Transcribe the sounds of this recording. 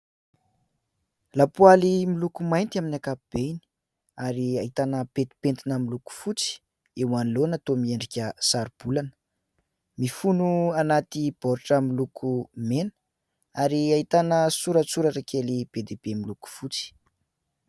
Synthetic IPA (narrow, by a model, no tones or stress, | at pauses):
lapualimilukumajnt̪iaminakab̥eini̥ | aɾiait̪anəpet̪i̥pent̪inəmiluku̥fut͡si̥ | eanlonat̪omieɳɖ͡ʐikʲəsaɾub̥ulanə̥ | mifunuanat̪ib̥ɔɾʈ͡ʂəmilukʰumenə̥ | aɾiait̪anəsuɾət͡suɾaʈ͡ʂakʰelib̥ed̪eb̥emiluku̥fut͡si̥